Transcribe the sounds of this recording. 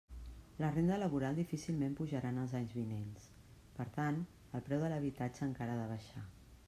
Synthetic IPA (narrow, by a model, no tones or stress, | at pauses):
lərend̪ələβuɾalˠd̪ifisilˠmempuʒəɾanəlˠzaɲzβinens | pəɾt̪an | əlˠpɾɛwðələβ̞it̪ad͡ʒəːŋkaɾəðəβ̞əʃa